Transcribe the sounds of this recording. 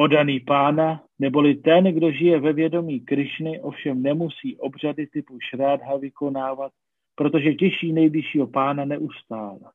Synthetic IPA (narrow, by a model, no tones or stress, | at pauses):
o̞daniːpaːna | nɛbo̞lɪt̪ɛnɡdo̞ʒɪjɛvɛvjɛdo̞miːkɾɪʃnɪʔo̞fʃɛmnɛmusiːʔo̞br̝adɪt̪ɪpuʃɾaːdɦavɪko̞naːvat̪̚ | pɾo̞t̪o̞ʒɛcɛʃiːnɛjblɪʃiːɦo̞paːnanɛʔust̪aːlɛ